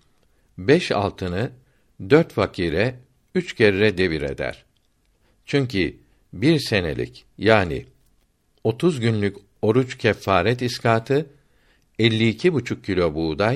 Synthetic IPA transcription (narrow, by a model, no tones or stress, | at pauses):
bɛʃa̰lˠt̪ʰɯnɯ | d̪øɾt̪fakʰiːɾɛ | yt͡ʃcʰe̞ɾiɾɛd̪e̞viɾḛd̪æ̰ɾ̥ | t͡ʃʰyɲcʰi | biɾse̞nḛlʲḭcjaːnḭ | o̞t̪ʰuzɟynlʲyc | o̞ɾut͡ʃcʰɛfːaːɾɛt̪iskaːt̪ʰɯ | ɛlʲːiːcʰibut͡ʃʰuk̚cʰːilʲo̞buːd̪a